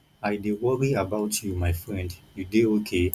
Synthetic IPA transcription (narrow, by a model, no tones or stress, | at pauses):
aɪdewɔɹiabaʊtʰjumaɪfɹɛ̃ndjudeokʰe